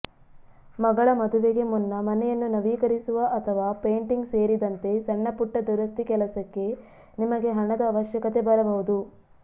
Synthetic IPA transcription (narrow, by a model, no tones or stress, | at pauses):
mɐɡɐɭɐmɐd̪uʋeɡe̞munːɐmɐnɛjɐnːunɐʋiːkɐɾisuʋɐʔɐt̪ʰɐʋaːpe̞ːɳʈiŋɡse̞ːɾid̪ɐnt̪e̞sɐɳːɐpuʈːɐd̪uɾɐst̪ikɛlɐsɐkːe̞ | nimɐɡe̞ɦɐɳɐd̪ɐːʋɐʃjɐkɐt̪e̞bɐɾɐbɐɦud̪u